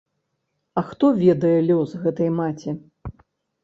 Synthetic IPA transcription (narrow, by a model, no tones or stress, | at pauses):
ɐxt̪ɔvʲɛd̪ɐjɛlʲɔzɣɛt̪ɐjmat͡sʲi